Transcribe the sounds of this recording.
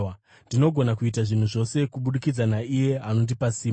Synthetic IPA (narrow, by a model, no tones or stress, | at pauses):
ndino̞ɡʱo̞nakuit̬aʐin̤uʐo̞se̞kuɓuɗikid͡zanaije̞ano̞ndipasiː